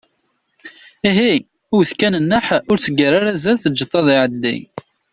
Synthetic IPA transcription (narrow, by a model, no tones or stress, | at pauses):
iɦi | ʊwθkænənːəħʊɾsəɡəɾaɾazælθəd͡ʒːət̪ˤːɑðˤiʕəd̪ːḭ